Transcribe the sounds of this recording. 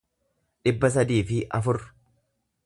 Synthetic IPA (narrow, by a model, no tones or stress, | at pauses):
ᶑɪbːɐs̬ɐd̪iːfɪʔɐfʊɾ